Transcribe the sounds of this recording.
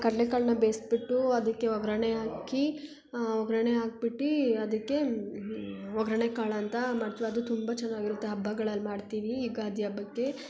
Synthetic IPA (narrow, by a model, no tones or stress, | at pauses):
kɐɽɐlekaɭnɐbeːsbiʈːuɐd̪ɐkːe̞ɔɡɾɐɳeɦaːki | ɔɡɾɐɳeɦaːk̚biʈːiɐd̪ɐkːe̞ | ɔɡɾɐɳekaːɭɐnt̪ɐmaːɖt̪iʋiɐd̪ut̪umbɐt͡ʃɛnːaːɡiɾut̪ːeɦɐbʱːɐɡɐɭɐlːmaːɖt̪iːʋiːɡaːd̪ʱjɐbɐkːe